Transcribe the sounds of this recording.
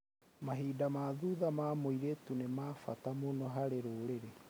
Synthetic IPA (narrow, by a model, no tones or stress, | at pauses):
maɦiːdamaðuðamaːmoiɾetunemaːfatamonɔɦaɾeɾoːɾeɾe